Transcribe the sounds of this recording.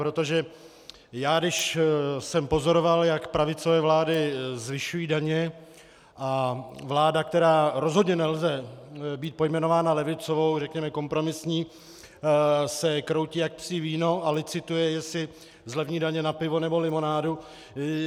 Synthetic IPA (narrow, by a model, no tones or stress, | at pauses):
pɾot̪o̞ʒɛ | jaːdɪʃsɛmpo̞zo̞ɾo̞valjakpɾavɪt͡so̞vɛːvlaːdɪzvɪʃujiːdaɲɛ | ʔavlaːdak̚t̪ɛɾaːɾo̞zɦo̞dɲɛnɛlzɛbiːt̪̚po̞jmɛno̞vaːnalɛvɪt͡so̞vo̞wrɛkɲɛmɛko̞mpɾo̞mɪsɲiː | sɛkɾo̞wciːjak̚psiːviːno̞ʔalɪt͡sɪt̪ujɛjɛsɪ | zlɛvɲiːdaɲɛnapɪvo̞nɛbolɪmo̞naːdu